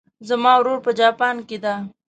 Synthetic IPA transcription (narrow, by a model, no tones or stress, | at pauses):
zamɑwɾoɾpəd͡ʒɑpɑnked̪a